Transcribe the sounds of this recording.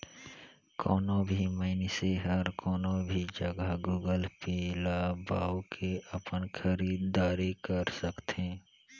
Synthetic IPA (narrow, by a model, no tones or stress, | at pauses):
kʰɔːnõbʱiməɪneseɦəɾkʰɔːnõbʱid͡ʒəɡəɡuːɡəlpeːlabaːwkʰeəpənkʰəɾiːd̪ːaːɾikəɾsəkt̪ẽː